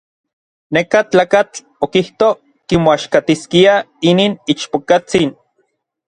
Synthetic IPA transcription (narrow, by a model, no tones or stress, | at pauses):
nekat͡ɬaːkat͡ɬ | okiht̪o | kimoaʃkat̪iskia | iniːnit͡ʃpokat͡sin